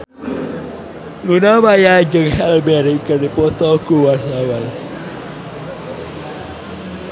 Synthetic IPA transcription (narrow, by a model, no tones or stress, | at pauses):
lunamajad͡ʒəŋhɛlbɛɾikərdipɔt̪ɔkuwarɦawal